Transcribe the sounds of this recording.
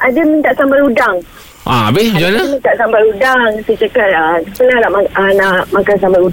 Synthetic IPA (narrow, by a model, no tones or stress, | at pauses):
ʔadəmint̪aʔsambaɾudaŋ | ʔa̰abed͡ʒanaamint̪aʔsambaɾudaŋsət͡ʃakat̪̚əəpəlaɾaʔmanaʔmakansambaɾu